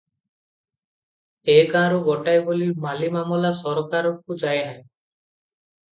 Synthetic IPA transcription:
ekãɾubɔʈajbolimalimamɔlasɔɾkaɾɔk̚ud͡ʒajɦaj

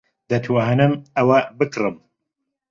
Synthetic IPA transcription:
d̪ɐt̪ʰwaɦanɨmɐwɐbɨkʰrɨm

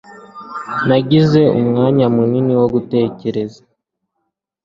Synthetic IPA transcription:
naɟize̞umŋaːɲamuniniwo̞ɡute̞ːce̞ɾe̞zḁ

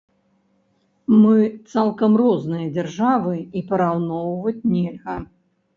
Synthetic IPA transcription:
mɨt̪salˠkɐmrɔznɨjɐd͡zʲɛrʐavɨipɐɾawnɔwvɐt͡sʲnʲelʲɣɐ

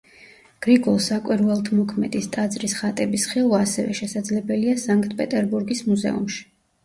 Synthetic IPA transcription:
ɡ̥ɾiɡɔlˠsakʼwiɾvɛlˠt̪ʰmɔkʰmɛd̪ist̪ʼad̪zɾisχat̪ʼɛbisχilˠwaːsɛvɛ̰ʃɛsad̪zlɛbɛliasaŋkʼt̪̚ʰʼpʼɛt̪ʼɛɾbuɾɡismuzɛ̰ṵmʃi̥

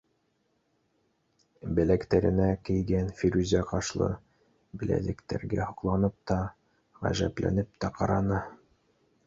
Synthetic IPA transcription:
bɘ̆lækt̪æɾɘ̆nækɘ̆jɡænfiɾʉzʲæqɑʃlˠɤ̰ | bɘlæ̰d̪ɘkt̪æ̰ɾɡæhŏqlˠɑnɤp̚t̪ɑ | ʁæ̰ʒæplæ̰nɘp̚t̪æqɑɾɑnɤ

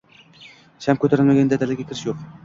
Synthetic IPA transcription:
ʃamkʲʰɵt̪ʰaɾɪlmaɡʲand̪ad̪alɪɡʲakʲʰɪɾɪʃjoq

